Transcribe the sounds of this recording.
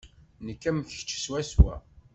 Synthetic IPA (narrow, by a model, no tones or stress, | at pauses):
nəkːæmçə̥t͡ʃːswæswæ̰